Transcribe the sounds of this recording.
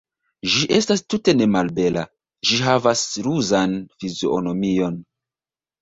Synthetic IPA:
ʒiʔe̞stastute̞ne̞malbe̞lʔa̰ | ʒiɦavasɾuzanfizoo̰no̞mio̞n

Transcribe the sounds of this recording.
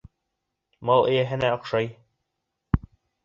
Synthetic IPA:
mɑlˠɘ̆jæɦɘ̆næɒ̆qʃɑj

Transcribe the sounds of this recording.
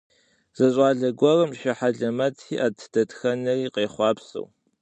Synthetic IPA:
z̥ɐɕʼaːɮɐɡʷɔrɐmʃɪħaɮɐmɐtʰiːʔaːtʰd̥ɐtxɐnɐriːqeːχʷɑːpsɐ̰w

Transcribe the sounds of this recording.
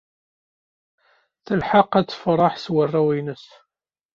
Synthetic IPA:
θəlħaqæt͡sːə̥fɾˤɑħswərˤːæwinəs

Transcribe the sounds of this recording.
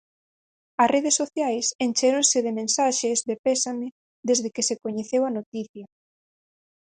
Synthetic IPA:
ɐsreðesːoθjajsent͡ʃeɾoŋsɪðemẽnsaʃezðepesamɪ | ðezðɪkɪsekoɲeθewɐnot̪iθjɐ

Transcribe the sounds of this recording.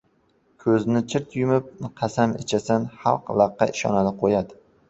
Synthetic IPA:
kʲʰɵznɪt͡ʃʰɪɾt̪jʊmɪp̚nqʰɑsamet͡ʃʰasanχɑ̰lˠqlˠɑqːɑ̰ʔɪʃɒ̰nanɪqʰojad̪ɪ

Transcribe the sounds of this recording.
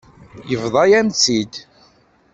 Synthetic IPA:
jəvðˤɑjæmt͡sːid̪

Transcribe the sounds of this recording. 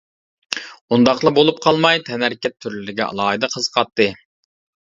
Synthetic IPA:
und̪ɑχlˠɑbolˠup̚qʰɑlˠmɑjt̪ʰɛnæɾkʲɛt̪ʰːyɾlɪlɪɡʲɛ̰ɑ̰lˠɑːɦɨd̪ɨqʰəzqʰɑt̪ʰːɨ

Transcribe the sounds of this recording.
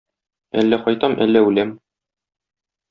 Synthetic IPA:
æ̰lːæqɒjt̪ɑmʔæ̰lːæʉlæm

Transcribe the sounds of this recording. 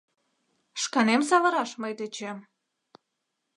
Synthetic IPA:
ʃkɑnems̬ɑβə̆ɾɑʃməjd̪et͡ɕem

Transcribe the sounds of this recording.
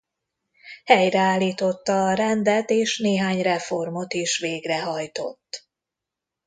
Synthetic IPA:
hɛjrɛaːlːiːt̪o̞t̪ːɒːɾɛnd̪ɛt̪eːʃneːɦaːɲrɛfo̞rmo̞t̪iʃʋeːɡrɛɦɒjt̪o̞̰t̪ː

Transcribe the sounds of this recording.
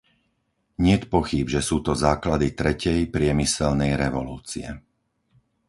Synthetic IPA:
ɲɪɛt̪pɔxiːbʒɛsuːt̪ɔzaːklad̪it̪ɾɛcɛjpɾɪɛmisɛlnɛjɾɛʋɔluːt͡siɛ̰

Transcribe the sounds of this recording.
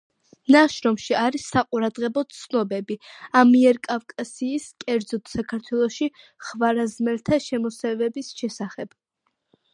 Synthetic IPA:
naʃɾɔmʃiaɾisːaqʼuɾad̪ʁɛbɔt̪sʰnɔbɛbiamiɛɾkʼavkʼasiːskʼɛɾd̪zɔt̪ʰsakʰaɾt̪ʰwɛlˠɔʃi | χvaɾazmɛlt̪ʰaʃɛmɔsɛvɛbisʃɛsaχɛb̥

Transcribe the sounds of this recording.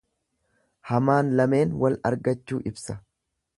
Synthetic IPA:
hɐmaːnlɐme̞ːnwɐlɐ̰ɾɡɐt͡ʃːuːʔɪbsɐ̥

